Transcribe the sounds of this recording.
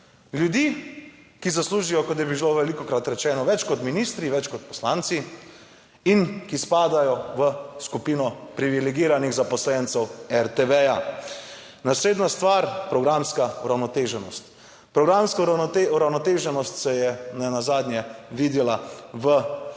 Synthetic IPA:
ljud̪iː | kizasluːʒijɔkɔt̪̬jɛbibiloʋɛlikɔkɾat̪ɾɛt͡ʃɛːnɔʋɛt͡ʃkɔt̪minist̪ɾiʋɛt͡ʃkɔt̪̚pɔ̥slaːnt̪si | inkispaːd̪ajɔʋəskupiːnɔpɾiʋilɛɡiːɾaniɣzapɔslɛnt̪sɛwɛɾt̪eʋɛja | nasleːd̪nast̪ʋaːɾpɾɔɡɾamskauɾawnɔt̪eːʒɛnɔ̰st̪ | pɾɔɡɾamskauɾawnɔt̪eːʒɛnɔst̪sɛjɛnɛnazaːd̪nʲjɛʋiːd̪ilaʋə

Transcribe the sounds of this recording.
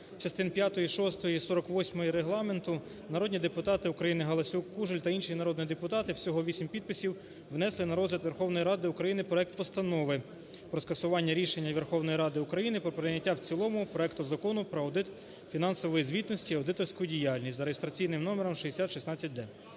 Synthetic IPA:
t͡ʃɐst̪ɪnpʲjat̪ɔjiʃɔst̪ɔjisɔɾɔkʋɔsʲmɔjiɾeɦlˠɑme̞nt̪ʊ | nɐɾɔd̪ʲnʲid̪epʊt̪ɑt̪ɪʊkɾɐjinɪɦɐlˠɐsʲukːuʒelʲt̪ɐinʃijinɐɾɔd̪nʲid̪epʊt̪ɑt̪ɪwsʲɔɦɔʋʲisʲimʲpʲid̪̚pɪsʲiw | ʋnɛslˠɪnɐɾɔzlʲɐt̪ʋerxɔwnɔjɾɑd̪ɪʊkɾɐjinɪpɾɔɛk̚t̪pɔst̪ɐnɔʋɪ | pɾɔskɐsʊʋɑnʲːɐɾʲiʃenʲːɐʋerxɔwnɔjiɾɑd̪ɪʊkɾɐjinɪpɾɔpɾenʲːɐtʲːawt͡sʲilˠɔmʊpɾɔɛkt̪ʊzɐkɔnʊpɾɔɐd̪ɪt̪ | fʲinɑnsɔʋɔjizʲʋʲit̪nɔsʲtʲiɐwd̪ɪt̪ɔrsʲkʊjʊdʲijɑlʲnʲistʲzɐɾejest̪ɾɐt͡sʲijnɪmnɔmeɾɔmʃiesʲat̪ʃisnɑt͡sʲːɐt̚ʲd̪ɛ

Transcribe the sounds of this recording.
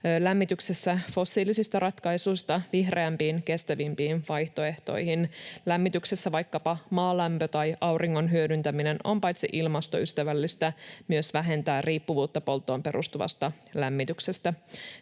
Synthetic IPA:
læmːit̪yksesːæfo̞sːiːlisist̪ɑrʔɑt̪kɑijsujst̪ɑʋihre̞æmpiːnke̞st̪æʋimpiːnʋɑjht̪o̞e̞ht̪o̞̰jhinlæmːit̪yksesːæʋɑjkːɑpɑmɑːlæmpøt̪ɑjɑwriŋːo̞nɦyødynt̪æmine̞no̞̰mpɑjt̪sḭʔilmɑst̪o̞̰yst̪æʋælːist̪æmyøsʋæɦe̞nt̪æːrriːpːuʋuːt̪ːɑpo̞lt̪ːˑo̞ːmpe̞ɾʔṵst̪uʋɑ̰st̪ɑlæmːit̪ykse̞st̪æ

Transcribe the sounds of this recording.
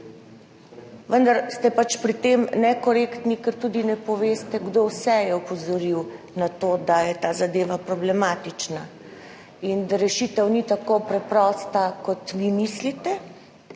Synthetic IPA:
ʋənd̪aɾst̪ɛpat͡ʃpɾit̪emnɛkɔɾekt̪nikɛɾt̪uːd̪inɛpɔʋeːst̪ɛɡd̪owsɛjɛɔpɔzɔɾiw | nat̪oːd̪ajɛt̪aːzad̪eːʋapɾɔblɛmaːt̪it͡ʃna | ind̪aɾɛʃit̪ɛwnit̪akopɾɛpɾɔːst̪akɔt̪ʋimislit̪ɛ

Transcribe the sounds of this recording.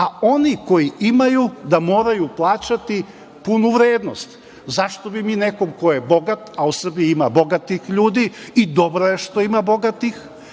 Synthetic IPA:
ao̞niko̞jiʔimajud̪amo̞ːɾajuplˠaːt͡ɕat̪i | punuʋɾeːd̪no̞st̪ | zaʃt̪o̞bimineko̞mkojebo̞ɡat̪ausr̩biimabo̞ɡat̪ixʎuːd̪iːd̪o̞bɾojeʃt̪o̞imabo̞ɡat̪ix

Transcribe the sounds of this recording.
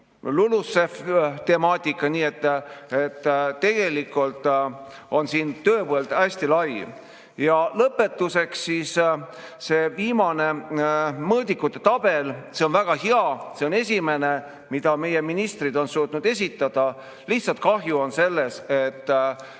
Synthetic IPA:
lulusːeft̪e̞mɑːt̪ʲːˑikːˑɑniːe̞t̪ːˑe̞t̪ːe̞ɡ̥e̞likːˑult̪ˑ | o̞nsiːnt̪øːvoeld̪̥æsʲt̪ilɑj | jɑlɤpːˑe̞t̪ːˑuse̞ksːiːsse̞viːmɑne̞ | mɤːd̪̥ʲikːˑut̪ːˑe̞t̪ɑb̥e̞lse̞o̞nvæɡ̥ɑɦeɑse̞o̞ne̞sʲime̞ne̞ | mid̪̥ɑme̞jeminist̪rid̪o̞nsuːt̪nud̪̥e̞s̬ʲit̪ːˑɑd̪̥ɑ | liht̪sɑlt̪̚kɑɦjuo̞nse̞lːe̞se̞t̪ː

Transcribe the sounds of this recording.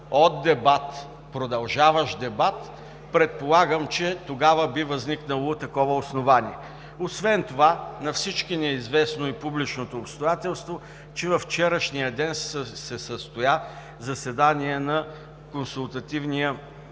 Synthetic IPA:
od̪d̪ːɛbat̪ | pɾod̪ɐlˠʒavəʃd̪ɛbat̪ | pɾɛt̪̚polˠaɡəmt͡ʃɛt̪oɡavəbivɐzniknəlˠot̪ɐkɔvəosnovaniɛ | osvɛnt̪ovanɐfsit͡ʃkinɛizvɛsnoipublit͡ʃnot̪oːpst̪ojat̪ɛlˠst̪vo | t͡ʃɛvɐft͡ʃɛɾəʃnijəd̪ɛnsɛsəst̪oja | zɐsɛd̪aniɛnɐ | konsulˠt̪ɐt̪ivnijə

